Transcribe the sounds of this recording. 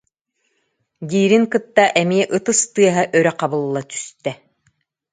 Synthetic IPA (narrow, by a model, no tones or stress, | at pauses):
d̪iːɾiŋkɯt̪ːaʔɛmiɛʔɯt̪ɯst̪ɯɐɦaʔœɾɛqabɯlˠːat̪y̥st̪ɛ